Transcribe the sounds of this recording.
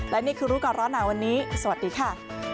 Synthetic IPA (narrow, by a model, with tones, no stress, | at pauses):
lɛ˦˥niː˥˩kʰɯː˧ɾuː˦˥ka˨˩ɾɔː˦˥nːaː˩˦wa˧nːiː˦˥sa˧wa˨˩t̪̚diː˧kʰa˥˩